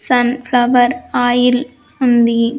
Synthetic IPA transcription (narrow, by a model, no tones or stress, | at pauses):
sɐnflɐʋɐɾaːjɪl | fʊnd̪i